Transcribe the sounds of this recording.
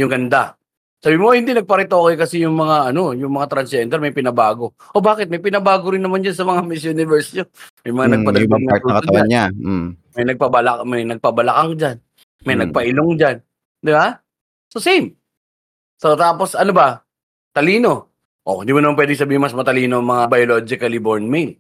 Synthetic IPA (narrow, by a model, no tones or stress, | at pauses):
jʊŋɡɐnd̪a | saːbimohɪnd̪inɐɡ̚pɐɾɪt̪oːkɐjkɐsɛjʊŋmɐŋaʔɐno̞jʊŋmɐŋat̪ɾɐnsɛnd̪ɛɾmɐjpɪnɐbaːɡo̞ | ʔobaːkɪt̪̚mɐjpɪnɐbaːɡoɾɪnːɐmand͡ʒansɐmɐŋamɪsjʊnɪvɛɹsjomɐjmɐŋanɐɡ̚pɐnauːkɐt̪ɐwaɲamɐjnɐɡ̚pabɐlɐmɐjnɐɡ̚pɐbɐlɐkaŋd͡ʒan | mɐjnɐɡ̚pɐʔɪloŋd͡ʒan | d̪ɪba | sosɛm | sot̪aːpo̞sʔɐnobɐ | t̪ɐliːno̞ | ʔoɪnd̪imʊnɐmanpwɛd̪ɪŋs̬ɐbiːhɪnmɐsmɐt̪ɐliːnoɐŋmɐŋabɐjolod͡ʒɪkɐliboɹnmejl